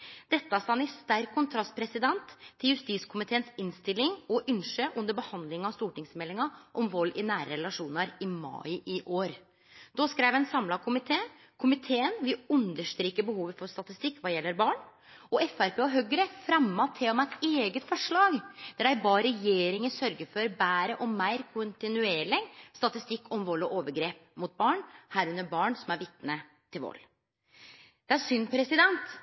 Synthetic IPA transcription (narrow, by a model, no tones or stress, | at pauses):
d̪̥ɛt̪ːɑst̪ɑnɪst̪æɾkʰːʊnt̪ʰɾɑst̪̚pʰɾɛsɪd̪ɛnt̪ʰːɪljʉst̪iːskʰʊmɪt̪ʰeːənsɪnst̪ɪlːɪŋɔʔʏnʂəʔʉnd̪əɾbəhɑnd̪lɪŋɑst̪uːʈɪŋsmɛlːɪŋɑʔɔmʋɔlːɪnæːɾə̰ɾɛlɑʂuːnɑɾɪmɑ̰ɪʔɪʔoːɾ | d̪̥ɔskɾæɪʋɛnsɑmlɑkʰʊmɪt̪ʰeː | kʰʊmɪt̪ʰeːənʋɪʉnd̪əʂt̪ɾiːkəbəhuːʋəfɔɾst̪ɑt̪ɪst̪ɪkːʋɑːjɛlːəɾbɑːɳ | ɔɛfæɾpʰeːɔɦøːɡəɾəfɾɛmːɑt̪ʰːeɔmæɪt̪eːɡət̪fɔʂɭɑːɡd̪̥æɖæɪbɑːɾɛjeːɾɪŋəsœɾɡəɾfɔɾbæːɾəʔɔmːæɪɾkʰʊnt̪ɪnʉeːɭɪŋst̪ɑt̪ɪst̪ɪkːɔmʋɔlːɔʔoːʋəɾɡɾeːp̚mʊt̪̚bɑːɳhæːɾʉnːəɾbɑːɳsɔmæɾʋɪt̪nə | t̪ʰɪlʋɔ̰lː | d̪̥ɛæɾʂʏnpʰɾɛsɪd̪ɛnt̪